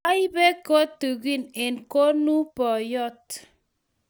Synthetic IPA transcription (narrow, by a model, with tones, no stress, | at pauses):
a˦i˦be˦ko˦t̪u˨ɡi˦ne˨nko˦nu˦pɔ˨jɔ˦t